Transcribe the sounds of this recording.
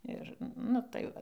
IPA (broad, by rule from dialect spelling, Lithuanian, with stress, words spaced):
ˈɪr nʊ tɐɪ ˈʋɐ